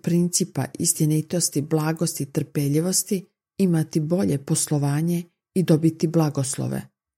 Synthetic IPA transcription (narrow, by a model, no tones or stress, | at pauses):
pɾint̪sipa̰ʔist̪enit̪o̞st̪iblˠaːɡo̞st̪it̪r̩peʎiʋo̞st̪i | imat̪ibo̞ʎe̞po̞slˠoʋaːɲe̞ | id̪o̞bit̪iblˠaɡoslˠo̰ʋḛ